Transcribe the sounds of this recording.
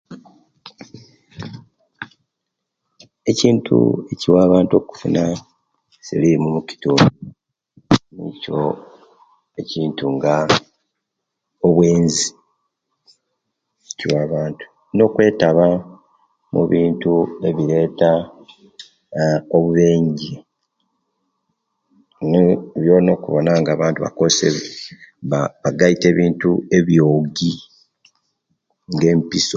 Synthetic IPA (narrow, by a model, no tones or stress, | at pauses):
e̞ciːntʰṵe̞ciwaːβaːntuo̞ku̥funa | silimumuki̥tuːnu | nḭco̞̰ | e̞ciːntuŋɡa | oβwe̞ːnzi | ciwaːβaːntu̥ | no̞ːkwe̞ːtaβa | mṵβiːntue̞βiɾe̞ːta | oβuβe̞ːɲɟie | neβjono̞ːkuβo̞̰naŋɡaːβaːntuβa̰ko̞seβeaβaɡaite̞ːβiːntue̞βjo̞ːɡi | ŋɡe̞ːmpiso